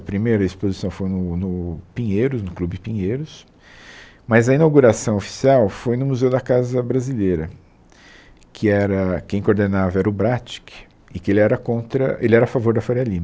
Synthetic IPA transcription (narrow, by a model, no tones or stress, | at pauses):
ɐpɾimejɾɐispozisɐ̃w̃fojnʊnʊpĩɲejɾʊznʊklubɪpĩɲejɾʊs | mɐzɐinawɡuɾasɐ̃w̃ofi̥siawfojnʊmuzewd̪ɐkazɐbɾazilejɾɐ | kʰɪɛɾɐkẽj̃koɾd̪enavɐɛɾɐʊbɾat͡ʃi̥kɪ̥ | ɪkɪelɪɛɾɐkõnt̪ɾɐʔelɪɛɾɐafavoɾd̪ɐfoɾialĩmɐ